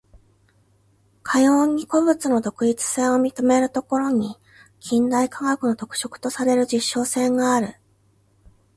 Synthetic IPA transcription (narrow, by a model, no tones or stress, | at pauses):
kʰajoːɲ̟ːiko̞bɯ̟t͡sɨno̞d̪o̞kɯ̟it͡sɨ̥sẽ̞ɰ̃o̞mʲit̪o̞me̞ɾɯ̟t̪o̞ko̞ɾo̞ɲ̟i | kʲʰĩnd̪aikaɡakɯ̟no̞t̪o̞kɯ̟̥ɕo̞kɯ̟̥t̪o̞saɾe̞ɾɯ̟d͡ʑiɕːo̞ːsẽ̞ŋɡaːɾɯ̟